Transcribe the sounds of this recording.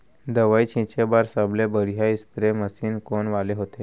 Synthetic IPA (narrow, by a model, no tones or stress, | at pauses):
d̪əʋait͡ɕʰĩt͡ɕebaɾsəblebəɽ̤ijaispɾeməsiːnkoɳʋaleɦot̪e